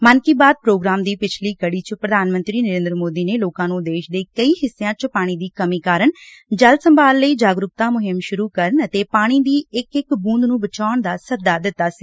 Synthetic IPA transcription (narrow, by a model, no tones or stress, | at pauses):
mənkiːbaːd̪̚pɾoːɡɾaːmd̪iːpɪt͡ʃʰliːkəɽiːt͡ʃəpɾəd̪ʱaːnmə̃nt̪ɾiːnəɾẽːnd̪əɾəmoːd̪iːneːloːkãːnũːd̪eːʃd̪eːkəiːɦɪsːejãːt͡ʃpaːɽ̃iːd̪iːkəmiːkaːɾəɳd͡ʒəlsəmbaːlːəiːd͡ʒaːɡɾʊk̚t̪aːmʊɦɪmʃʊɾuːkəɾənət̪eːpaːɽ̃iːd̪iːɪkɪkbũːnd̪nũːbət͡ʃaːəɳd̪aːsəd̪aːd̪ɪt̪ːaːsiː